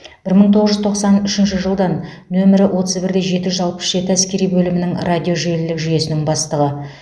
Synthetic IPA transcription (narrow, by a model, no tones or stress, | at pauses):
b̥ɪɾməɴt̪ʰo̞ʁəzʒʏzt̪ʰo̞qsɑnʏʃɪnʃ̬ɪʒəlˠd̪ɑnː | ɵmɪɾɪwo̞t̪əzbɪɾd̪eʒe̞t̪ɪʒʏzɑlˠpə̥sʒ̥e̞t̪ɪæskʲe̞ɾijbɵlɪmɪnɪŋrad̪ʲijo̞ʒelɪlɪkʒʏje̞sɪnɪŋbɑst̪əʁə